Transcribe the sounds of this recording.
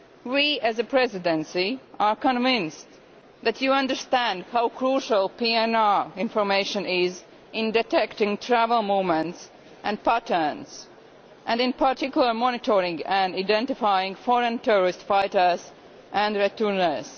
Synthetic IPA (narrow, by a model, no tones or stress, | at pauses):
wiæzəpʰɹɛzɪdɛ̃nsiʔaɹkə̃nvɪ̃nst | ðætʰjuʌ̃ndə˞stæ̃ndhaʊkɹuʃəlˠpiɛ̃naɹɪ̃nfɔɹmeɪʃə̃nɪz | ʔɪ̃ndɛtɛktɪ̃ŋtʰɹævəlˠmumɛ̃nts | ʔæ̃ndpætə˞nz | ʔæ̃ndɪ̃npʰaɹtɪkjʊl̩ˠə˞mɔnɪtʰɔɹɪ̃ŋɡæ̃ndaɪdɛ̃ntɪfajɪ̃ŋfɔɹə̃ntʰɛɹɔɹɪstfaɪtə˞z | ʔæ̃ndɹɛtəɹnə˞s